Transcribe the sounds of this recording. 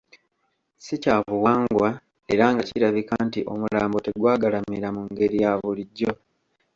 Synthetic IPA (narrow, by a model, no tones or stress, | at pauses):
sicaːvuwaːŋɡwa | e̞ɾaŋɡaciɾaβikaːntiʔo̞̰mulaːmbo̞te̞ɡwaːɡalamiɾamuŋɡe̞ɾijaβuliɟːo̞